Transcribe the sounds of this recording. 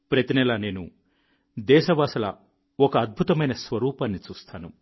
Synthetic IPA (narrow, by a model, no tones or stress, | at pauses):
pɾɐt̪inɛlɐne̞ːnṵ | d̪ɛːʃɐʋaːsɐlɐ̰ | ɔkɐːd̪̚bʱut̪ɐmɐjnɐsʋɐɾuːpaːnːit͡ʃuːst̪aːnu